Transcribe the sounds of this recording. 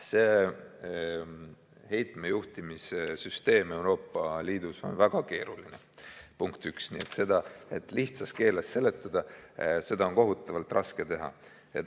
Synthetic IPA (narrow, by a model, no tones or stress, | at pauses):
se̞ː | he̞jt̪ˑmejuht̪imisesyst̪e̞ːme̞wɾo̞ːpːˑɑliːd̪̥uso̞̰nvæɡ̥ɑke̞ːɾulinḛ | puŋkt̪yksniet̪se̞d̪̥ɑe̞t̪ːˑliht̪sɑs̚ke̞ːlesːe̞le̞t̪ˑːɑd̪̥ɑse̞d̪̥ɑo̞nko̞ɦut̪ːˑɑvɑlt̪ˑrɑsket̪e̞ɦɑ̰ | ḛt̪